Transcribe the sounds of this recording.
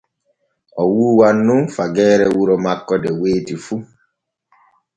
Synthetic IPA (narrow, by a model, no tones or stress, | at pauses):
ɔwuːwanːũfaɡɛːɾɛwuɾɔmakːɔdɛweːtifu